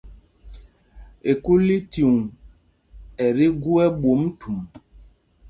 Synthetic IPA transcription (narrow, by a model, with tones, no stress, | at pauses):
e˨ku˦li˦ti˨ŋũ˨ | ɛ˨ɾi˦ɡu˦ɛ˦bo˨˦m˦tʰu˨m